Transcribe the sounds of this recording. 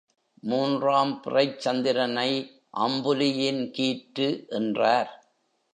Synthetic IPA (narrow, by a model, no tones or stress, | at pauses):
muːndraːmpɪrɐɪt͡ʃːɐnd̪ɪɾɐnɐɪ | ʔɐmbɯlɪjɪnkiːʈːɯʔɛndraːɾ